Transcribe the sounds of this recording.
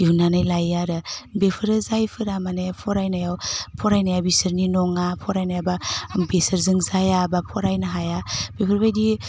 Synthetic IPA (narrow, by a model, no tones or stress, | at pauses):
ihunanajlajaɾɯbepʰɯɾɯzajpʰɯɾamanajapʰɔɾajnajawpʰɔɾajnajawbisɯɾninɔŋapʰɔɾajnajababesɯɾzɯŋzajabapʰɔɾajnaɦajabepʰɯɾbajdi